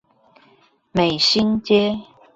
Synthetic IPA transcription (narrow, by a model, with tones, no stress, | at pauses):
me˨˩ɪɕi˦nt͡ɕjɛ˦